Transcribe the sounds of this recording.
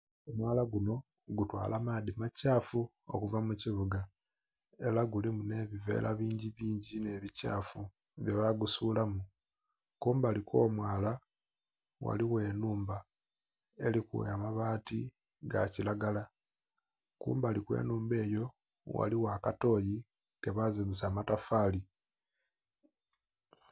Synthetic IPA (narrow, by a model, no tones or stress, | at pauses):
omwaːlaɡuno̞ | ɡutwa̰ːlamaðimacaːfu | o̰kuvamuciβuɡa | e̞laɡulimune̞βive̞̰lʔaβiːɲɟiβiːɲɟine̞βica̰ːfu | βjeβaɡusulamu | kuːmbaliko̞ːmwaːla | wa̰liwe̞ːnuːmba | e̞likṵamaβaːti | ɡa̰cilaɡala | kṵːmbalikwḛːnuːmbe̞ːjo̞ | wa̰liwaːkato̞ji | ɡeβazemisaːmatafaːli